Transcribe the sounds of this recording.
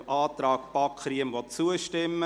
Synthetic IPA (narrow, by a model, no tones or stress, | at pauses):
ɑːt̪ɾɑːkpɑkχɾiəmʋɔtt͡suəʃtɪmːə